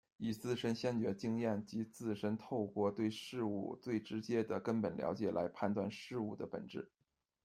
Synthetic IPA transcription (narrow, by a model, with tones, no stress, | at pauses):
i˨˩t͡sɹ̩˥˩ʂə˥nɕjɛ˥˩nt͡ɕɥɛ˧˥t͡ɕi˥ŋjɛ˥˩nt͡ɕi˧˥t͡sɹ̩˥˩ʂə˥nt̪ʰo˥˧ʊkwɔ˥˧t̪we˥˧ɪʂɻ̩˥˧ṵ˥˩t͡swe˥˩ɪʈ͡ʂɻ̩˧˥t͡ɕjɛ˥d̪ə˨kə˥npə˨˩nljɑ̰˧˥t͡ɕjɛ˨˩la˧˥ɪpʰa˥˧nt̪wa̰˥˧nʂɻ̩˥˧u˥˩d̪ə˩pə̰˨˩nʈ͡ʂɻ̩˥˩